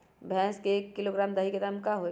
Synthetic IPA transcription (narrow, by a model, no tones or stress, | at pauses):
bʱɛ̃ːskeːkːiloɡɾaːmd̪aɦiked̪amkaɦoe